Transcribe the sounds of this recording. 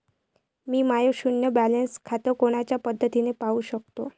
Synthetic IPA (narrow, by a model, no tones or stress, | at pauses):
miːmajoɕunjəbælənskʰat̪əɾkoɽ̃at͡ɕjapəd̪ʱːət̪inepauɕək̚t̪o